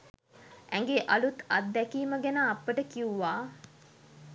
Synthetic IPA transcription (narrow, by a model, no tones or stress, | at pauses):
æŋɡeʔalut̪ɐt̪̚d̪ækiːməɡænaːpːəʈəkiuʋaː